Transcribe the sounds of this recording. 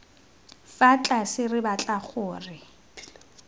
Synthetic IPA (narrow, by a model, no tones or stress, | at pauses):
fat͡ɬʼasɪrɪbat͡ɬʼaχʊːrɪ